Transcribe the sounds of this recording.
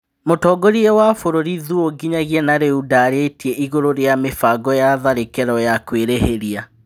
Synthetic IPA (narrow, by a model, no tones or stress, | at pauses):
motɔɡoɾiewafoɾoɾiðuoɡiɲaɣiɛnaɾeudaɾetiɛʔiɣoɾoɾeamefaɡɔjaðaɾekɛɾɔjakweɾeheɾia